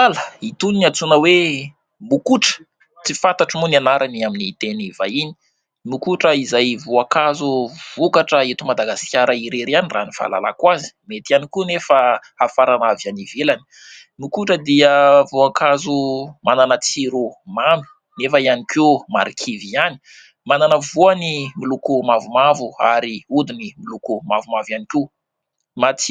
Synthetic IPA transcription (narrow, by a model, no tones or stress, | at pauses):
aləit̪uniniat͡sunəwe | mukuʈ͡ʂə̥ | t͡sifat̪aʈ͡ʂimunianaɾʔaniaminit̪enivaini̥ | mukuʈ͡ʂəizajvuakazuv̥ukaʈ͡ʂəet̪umad̪aɡasi̥kʲaɾəiɾeɾianira̰nifa̰la̰la̰kwazi̥met̪ianikunefa | afaɾanavjanivelani̥ | nukuʈ͡ʂəd̪iəvuakʰazumananət͡siɾumami̥ | nefəianikʰumaɾikʰiviani̥ | mananəvuanimilukumavumavuaɾiud̪inimilukumavumavaniku | mat͡s